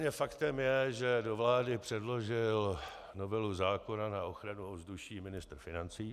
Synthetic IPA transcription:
ɲɛfakt̪ɛmjɛʒɛdo̞vlaːdɪpr̝̥ɛdlo̞ʒɪl | no̞vɛluzaːko̞nanaʔo̞xɾanuovzduʃiːmɪnɪst̪r̩fɪnant͡siː

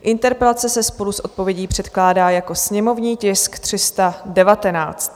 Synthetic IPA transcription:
ʔɪnt̪ɛɾpɛlat͡sɛsɛspo̞lusʔo̞t̪̚po̞vjɛɟiːpr̝̥ɛt̪klaːdaːjako̞sɲɛmo̞vɲiːcɪskt̪r̝̥ɪst̪adɛvat̪ɛna̰ːt͡st̪

